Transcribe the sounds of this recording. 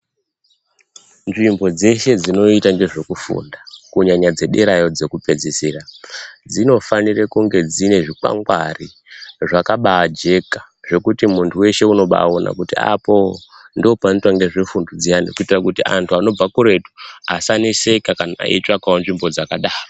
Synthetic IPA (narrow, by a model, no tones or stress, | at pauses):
nʐimbo̞d͡ze̞ʃe̞d͡zino̞itaŋɡe̞ʐe̞kufṵːndakuɲaɲad͡ze̞ɗeɾajo̞d͡ze̞kupe̞d͡ziserad͡zino̞fanirekuŋɡe̞d͡zine̞ʐika̰ŋɡwa̰ri | ʐakaɓaad͡ʒe̞kḁ | ʐe̞kutimuntʰuwe̞ʃe̞uno̞ɓa̰ona̰kutia̰po̞ndiopanitwaŋɡe̞ʐefundod͡zijandekuitirakutiantʰuano̞b͡vakuɾe̞tu̥asanise̞kakanaa̰ḭt͡ʃakaonʐimbo̞d͡zakaɗaːro